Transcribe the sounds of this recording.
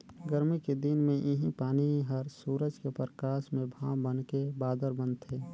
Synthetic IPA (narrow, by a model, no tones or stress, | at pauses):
ɡəɾmiked̪inmẽʔɪɦĩpaːniɦəɾsuːɾəd͡ʒkepɾəkaːʃmẽbʱãwbənkebaːd̪əɾbənt̪ʰeː